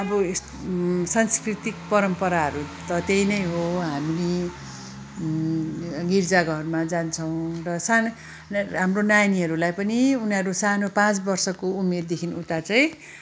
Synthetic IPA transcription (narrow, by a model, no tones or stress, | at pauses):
ʌbʌes | sanskrit̪ik̚pʌɾʌmpʌɾaɦʌɾut̪ʌt̪ejnʌjɦoɦamile | ɡird͡zaɡʱʌʌrumad͡zant͡sʰʌw̃rʌsan | ɦamronajniɦʌɾulajpʌniunɦʌɾusanopãt͡sbʌrsʌkoumerd̪ekʰinut̪at͡saj̃